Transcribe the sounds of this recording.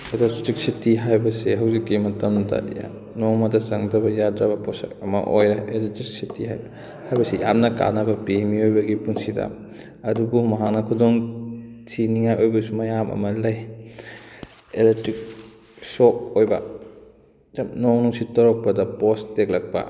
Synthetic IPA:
elektɾik̚sitiɦajbɐseɦɐwzikːimɐtɐmdɐ̰ja̰ | nomɐdɐsɐŋdɐbɐjadɾɐbɐposa̰kɐmɐ̰ʔojɾɐeletɾik̚sitʰiɦa̰jb | hajbɐsija̰mnɐka̰nɐbɐpimiojbɐɡipuŋsidɐ̰ | ɐdubumɐɦak̚nɐkʰudoŋsʰiniŋajojbɐsumɐjamʔɐ̰mɐlɐj | elek̚tɾik̚ | sok̚ojbɐ | noŋnuŋsitɐɾok̚pɐdɐpostek̚lɐk̚pɐ̰

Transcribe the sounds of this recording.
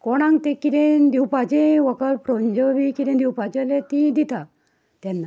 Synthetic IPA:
kɔɽ̃ãŋɡt̪ekiɾẽnd̪iwpad͡ʑẽʋəkəlpɾɔɲd͡ʑɔbikiɾẽnd̪iwpad͡ʑelet̪ĩd̪it̪a | t̪ɛnːa

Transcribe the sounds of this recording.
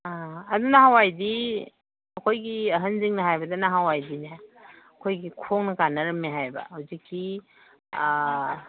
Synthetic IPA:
aɐdunɐɦawajdi | ɐkʰojɡiɐɦɐnziŋnɐɦajbɐdɐnɐɦawajdinɐɐkʰojɡikʰoŋnɐkanɐɾɐmːiɦajbɐ̰hɐwzikʰːi

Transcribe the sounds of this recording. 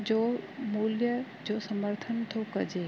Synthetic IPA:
d͡ʑoːmuːljə | d͡ʑoːsɐməɾt̪ʰənt̪ʰokɐd͡ʑe

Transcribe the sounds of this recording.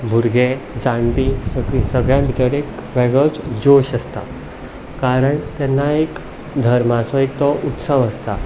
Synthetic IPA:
bʱuɾɡed͡zãɳʈ̪isəɡisəɡɭjãbʱiʈəɾikʋɛɡət͡sd͡zoɕəst̪a | kaɾəɳt̪ɛnːaek | d̪ʱəɾmat͡sɔekt̪ɔʔut̪səʋəst̪a

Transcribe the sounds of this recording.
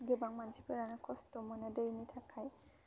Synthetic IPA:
ɡebaŋmansipɯɾanakʰɔstɔmɔnadejnitʰakʰaj

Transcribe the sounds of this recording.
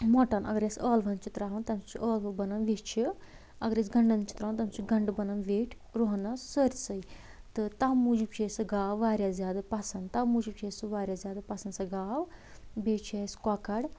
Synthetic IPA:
mɔʈɐnɐ̰ɡəɾjesəːlʋɐnt͡ʃʰit̪ɾaːɦɐnt̪ɐmt͡ʃʰiʔəːlbɐnɐnʋet͡ʃʰi | ɐɡəɾjesɡɐɳɖɐnt͡ʃʰi̥t̪ɾaːnt̪ɐmt͡ʃiɡɐɳɖbɐnɐnʋeːʈʰ | ɾoɦnɐsəɾʲsɐi | t̪ɨt̪amud͡ʒibt͡ʃʰesɨɡaːʋʋaːɾʲjazʲjaːd̪apɐsɐnd̪t̪amuːd͡ʒib̚t͡ʃʰesɨʋaːɾʲjaːzjaːd̪ɐpɐsɐnd̪sɐɡaːʋbeːt͡ʃʰeskakɐɽ

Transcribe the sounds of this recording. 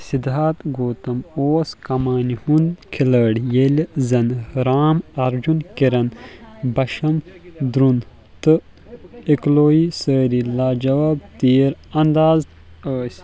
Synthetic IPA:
sid̪aːt̪ɡoːt̪ɐmoːskɐmaːnihunkʰiləːɽjelzɐnɾaːmɐɾd͡ʒunkiɾɐnbɐʃɐmd̪ɾun | t̪ɨ | ikloːisəːɾilaːd͡ʒɐʋaːb̚t̪iːɾɐnd̪aːz | əːsʲ

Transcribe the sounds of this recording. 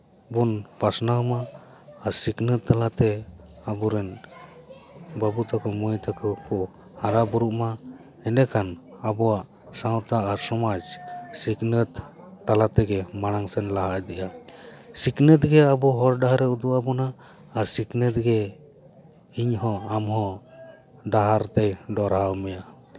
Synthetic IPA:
bunpasnawmaː | ɾsiknət̪ːalat̪ɛ | abɔɾɛn | babut̪akɔmɔjt̪akʰɔkɔʔ | haɾabɔɾuʔma | ɛnɛkʰan | abɔwaʔ | sawt̪aaɾsɔmad͡ʒsiknət̪ː | alat̪ɛɡɛmaɽ̃aŋsɛnlaɦaʔd̪ɛʔasiknət̪ɡɛabɔɦɔɾɖaɦaɾɛud̪uʔabɔnaː | ɾsiknət̪̚ɡɛ | iɲɦɔ̃amɦɔ̃ | ɖaɦaɾt̪ɛjɖɔɾawmɛja

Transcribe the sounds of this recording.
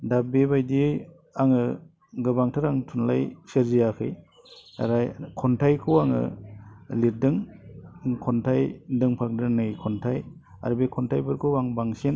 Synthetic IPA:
dabebajdi | aŋɯ | ɡɯbaŋtʰɯɾaŋtʰunlajsɯɾzijakʰɯj | a̰ɾajkʰɔntʰajkʰɯwaŋɯ̰ | liɾ̚dɯŋ | kʰɔntʰajdɯŋpʰak̚dɯnɯkʰɔntʰaj | a̰ɾbekʰɔntʰajbɯɾkʰɯwaŋbaŋsen

